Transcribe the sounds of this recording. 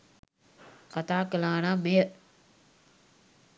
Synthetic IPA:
kat̪aːkəlaːnamejə

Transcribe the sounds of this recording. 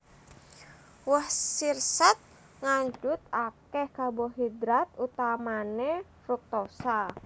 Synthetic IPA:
wɔhsirsat̪̚ | ŋaɲd͡ʒʊt̪̚akɛhkabɔɦid̪ɾat̪̚ut̪amane | ruk̚t̪osa

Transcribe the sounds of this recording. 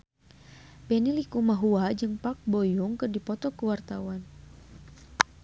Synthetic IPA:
pɛnilikumaɦuad͡ʒɨŋpak̚bɔjuŋkɨrdipɔt̪ɔkəwart̪awan

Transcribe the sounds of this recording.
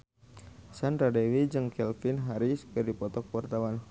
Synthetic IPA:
sanradɛwid͡ʒɨŋkɛlfinɦaɾiskɨrdipɔt̪ɔk̚wart̪awan

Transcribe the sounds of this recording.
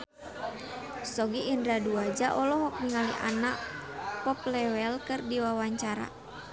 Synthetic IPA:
sɔɡiʔːndɾaduad͡ʒaʔɔlɔɦɔk̚niŋaliʔa̰naʔpɔplɛwɛlkɨrdiwawaɲt͡ʃaɾa̰

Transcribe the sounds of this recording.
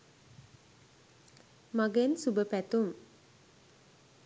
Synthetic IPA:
maɡensubəpɛt̪um

